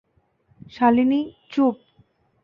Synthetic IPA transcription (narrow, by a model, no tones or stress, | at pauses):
ʃalinit͡ɕup̚